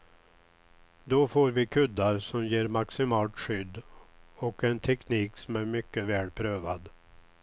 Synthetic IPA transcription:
d̪ɔfoːɾvɪkʰɵd̪ːaɾsɔmjeːɾmaksɪmɑːlt̪ɧʏd̪ːɔkɛnt̪ʰɛkniːksɔmæɾmʏkːəvɛːlpʰɾøːva̰d̪

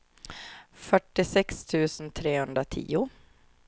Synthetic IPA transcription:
fœʈːɪsɛkst̪ʰʉ̟ːsənt̪ʰɾeːhɵnd̪ɾat̪ʰḭːʊ

